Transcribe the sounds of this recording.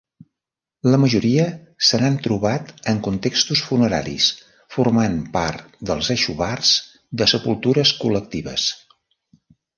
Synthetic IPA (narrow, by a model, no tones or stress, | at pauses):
ləməʒuɾiə | sənant̪ɾuβat̪əŋkunt̪ekst̪usfunəɾa̰ɾḭs | furmanpaɾt̪d̪əlˠzɛʃuβarz̥ | d̪əsəpulˠt̪uɾəskulək̚t̪iβə̰s